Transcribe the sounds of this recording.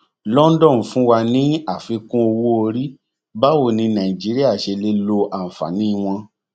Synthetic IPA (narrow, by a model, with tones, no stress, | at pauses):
lɔ˦n̩˦dɔ̃˦˨fũ˦wa˧nĩ˨˦a˨fi˨˧kũ˦o˧wo˦o˧ɾi˦ | ba˦wo˦˨nĩ˧nã˨i˨d͡ʒi˨˦ɾi˦a˦˨ʃe˧le˦lo˧ʔa˨n̩˨fa̰˨nĩ˦i˧w̃ɔ̃˧